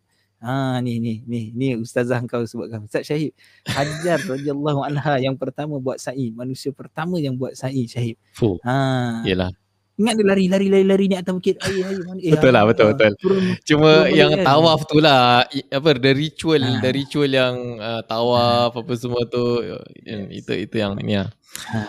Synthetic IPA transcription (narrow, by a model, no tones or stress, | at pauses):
aninihnihniust̪azahəŋkawsəbaʔ̚kanust̪at̪̚ʃaɦɪp̚ | had͡ʒarːadialˤːaɦuanɦajaŋpərt̪amə̃buat̪̚saʔimanusiapərt̪amə̃jaŋbuat̪̚saʔiʃaɦɪp̚fuaijəla̰h | iŋat̪̚dilaɾilaɾilaɾilaɾiniat̪awkit̪ajəajəmanbət̪ʊlːahbət̪ʊlbət̪ʊlbəɾt͡ʃumə̃jaŋt̪awaft̪ulahiap̬ədaɾit͡ʃuəldaɾit͡ʃuəljaŋət̪awafapəs̬əmuət̪ṵa̰nḭt̪ṵḭt̪ujaŋnia | a